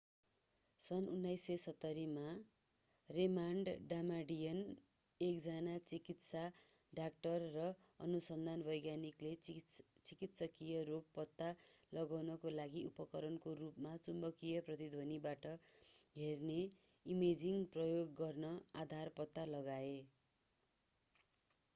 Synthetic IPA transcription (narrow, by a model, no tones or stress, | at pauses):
sʌnunːajsːesʌt̪ːʌɾima | remaɳɖɖamaɖijʌn | ekd͡zanat͡sikit̪sa | ɖak̚ʈʌrːʌ | ʌ̰nusʌnd̪ʱanbʌjɡjaniklet͡sikit̪sʌkijʌɾoɡ̚pʌt̪ːalʌɡawnʌkolaɡiupʌkʌɾʌnkoɾupmat͡sumbʌkijʌprʌt̪id̪ʱonibaʈʌɦerne | imed͡ziŋprʌjoɡːʌrnʌad̪ʱarpʌt̪ːalʌɡae